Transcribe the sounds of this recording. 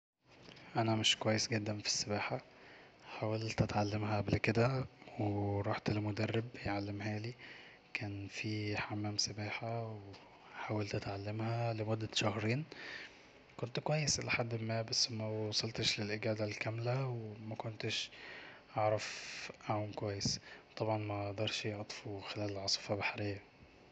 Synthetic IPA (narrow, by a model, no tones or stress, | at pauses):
ʔænæmɪʃkowæjːesɡed̪ːænfi̥sːebæːħa | ħaːwælt̪ʔæt̪ʕalːemhæʔæblked̪æweɾˤɑːħt̪elmod̪ærːebjʕalːemɦæːli | kʰæːnfiħamːæːmsɑbaːħawe | ħaːwælt̪ʔæt̪ʕalːemhælemʊd̪ːæʃɑhɾiːn | kont̪kwæjːesʔlaħad̪ːmːæːbæsːmæwɑsˤɑlt̪ʃlelʔɪɡæːd̪ælkæmlæwemækont̪ɪʃʔɑʕɾˤɑfʔaʕuːmkwæjːest̪ˤɑbʕɑnmæʔʔd̪ɑɾˤʃjeʕt̪ˤfuxelæːlelʕɑsˤɨ̥fɑbaħɾejːæ